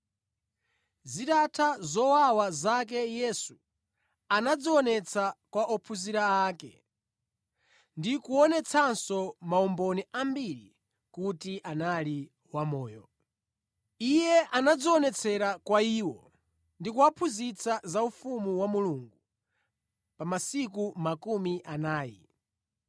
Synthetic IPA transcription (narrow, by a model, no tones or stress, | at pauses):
zitatʰazɔwawazak̬ɛjɛsu | anad͡ziɔnɛt͡sʰakwaʔɔpʰuziɾaːkɛ̰ | ndikuɔnɛt͡sʰansɔmaɔmbɔniʔambiɾi | kutiʔanali | wamɔːjɔ | ijɛʔanad͡zɔɔnɛt͡sʰɛɾakwaiːwɔ | ndikuapʰuzit͡sʰazaufumuwamuluŋɡu | pamasikumakumiʔanaːjḭ